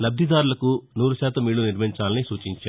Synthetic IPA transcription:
lɐbd̪ʱid̪aːɾulɐkunuːɾuʃaːt̪ɐmːiːɭuniɾmɐiɲt͡ʃaːlɐnisuːt͡ʃiɲt͡ʃaːɾu

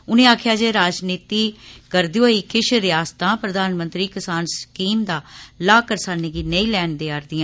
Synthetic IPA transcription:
ʊnẽːaːkʰjaːd͡ʒeːɾaːd͡ʒniːt̪iːkəɾd̪ioːiːkɪʃɾɪjaːst̪ãːpɾəd̪aːnmə̃nt̪ɾiːkɪsaːnskiːmd̪aːlaːkəɾsaːneːɡiːnəĩːlɛːɳd̪eːaɾd̪iːãː

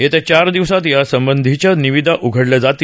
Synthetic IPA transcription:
jet̪ət͡ɕaɾd̪iʋsat̪jasəmbənd̪ʱit͡ɕjaniʋid̪ʱaʔuɡʱəɽləd͡zat̪i

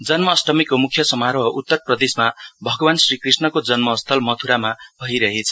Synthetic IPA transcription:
d͡zʌnmʌːsʈʌmikːomukʰːjʌsʌmaɾʌɦʌʔut̪ːʌrprʌd̪esmabʱʌɡʌwansrikrisnʌkod͡zʌnmʌːst̪ʰʌlmʌt̪ʰuɾamabʱʌiɾʌɦet͡sʰʌ̥

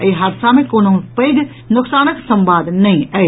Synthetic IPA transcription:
iɦaːɾsamẽkoːnopəɡ̪ | nʊksaːnəksə̃mbaːd̪nɐɦĩɐ

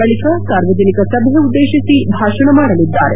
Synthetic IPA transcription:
bɐɭikasaːɾʋɐd͡ʒɐnikɐsɐbjɐud̪ːeːɕɐsibʱaːʃɐɳɐmaːɾɐlid̪ːaːɾe

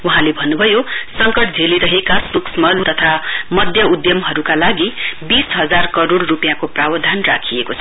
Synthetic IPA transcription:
uɦãlebʱʌnːubʱʌjosʌŋkʌʈd͡zʱeliɾʌɦekasruksmʌlt̪ʌt̪ʰamʌd̪ʱjʌud̪jʌmɦʌɾukalaɡibisɦʌd͡zarkʌɾoɽːupjãkoprawʌd̪ʱanrakʰijekot͡sʰʌ

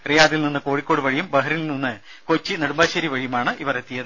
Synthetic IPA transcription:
rijaːðilninːɨko̞ːɻikʲːo̞ːɽɨʋɐɻijumbɐɦɐɾilninːɨ | kot͡ɕːinɐɽumbaːɕɐɾiʋɐɻijumaːɳɨʔiʋɐret̪ːijɐðɨ

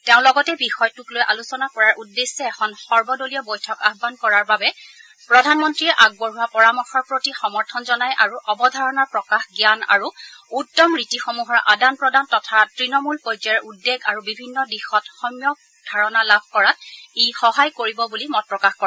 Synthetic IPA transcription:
teʊ̃lɔɡɔtɛbixɔjtuklojʔalusɔnakɔɹaɹʔudːesːɛɛxɔnxɔɹbɔdolijɔbojtʰɔkabbankɔɹaɹbabɛ | pɹɔdʱanmɔntɹiɛʔaɡ̚bɔɹuwapɔɹamɔxɔɹpɹotixɔmɔɹtʰɔnzɔnajʔaɹuʔɔbɔdʱaɹɔnaɹpɹɔkaxɡijana̰ɹuutːɔmɹitixomuɦɔɹʔa̰danpɹɔdantɔtʰatɹinɔmulpojzɛɹudːeɡaɹubibʱinːɔdixɔtxɔmjɔ | d̥ʱaɹɔnalab̚ʱkɔɹatejxɔɦajkoɹibɔbulimɔt̚pɹɔkaxkɔɛ

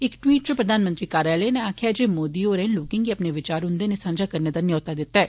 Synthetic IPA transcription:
ɪkʈwiːʈ̚t͡ʃəpɾəd̪ʱaːnmə̃nt̪ɾiːkaːɾaːleːneaːkʰɪjaːd͡ʒeːmoːd̪iːoːɾɛnlʊːkɪ̃ːŋɡiːəpneːʋɪt͡ʃaːɾɦʊ̃nd̪eːneːsãːnd͡ʒaːkəɾneːd̪aːnɪjɔːt̪aːd̪ɪt̪ːaɛː

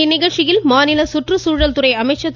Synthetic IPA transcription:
nɪɣɐɭt͡ʃɪjɪlmaːnɪlɐsʊʈrɯsuːɻɐlt̪ʊrɐɪɐmɐɪt͡ʃːɐt̪ː

